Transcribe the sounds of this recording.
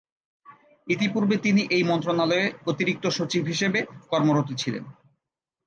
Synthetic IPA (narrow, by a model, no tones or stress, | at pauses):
it̪ipuɾbet̪iniʔejmɔnt̪ɾonaloeot̪iɾik̚t̪oʃot͡ɕibʱɦiʃebekɔɾmoɾot̪it͡ɕʰilḛn